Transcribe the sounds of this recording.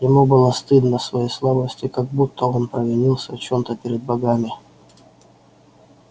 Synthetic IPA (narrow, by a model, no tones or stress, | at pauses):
jɪmubɨlˠəst̪ɨd̪nəsvɐjejslˠabəsʲtʲɪkaɡ̚but̪ʰːəo̞npɾəvʲɪnʲilˠsʲət͡ɕo̞mt̪əpʲɪɾʲɪd̪̚bɐɡamʲɪ